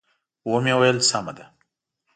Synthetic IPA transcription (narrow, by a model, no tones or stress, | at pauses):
womjewajəlsɑma̰d̪a